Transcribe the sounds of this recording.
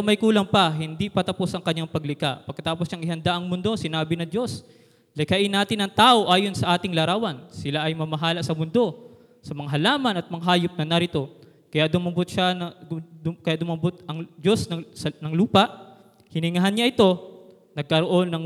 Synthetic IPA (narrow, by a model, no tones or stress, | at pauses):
mɐjkuːlɐŋpɐɦɪnd̪ipɐt̪ɐpo̞sʔɐŋkɐɲɲaŋpɐɡlɪkaʔpɐɡ̚kɐt̪aːposjɐŋɪhɐnd̪aʔɐŋmʊnd̪o̞sɪnaːbɪnɐŋd͡ʒo̞s | lɪkɐʔɪnːaːt̪ɪnːɐŋt̪aːʔo̞ʔaːjo̞nsɐʔaːt̪ɪŋlɐɾaːwɐnsɪlaʔɐjmɐmɐɦaːlɐsɐmʊnd̪o̞ | sɐmɐŋaɦɐlaːmɐnɐt̪̚mɐŋɦaːjʊp̚nɐnɐɾɪt̪o̞ | kɐjaʔd̪ʊmɐbot̪̚ʃanɐ | kɐjaʔd̪ʊmabot̪̚ʔɐŋd͡ʒo̞snɐsɐnɐŋluːpɐʔ | hɪnɪŋɐɦanɲaʔɪt̪o̞ | nɐɡ̚kɐɾoʔo̞nːɐŋ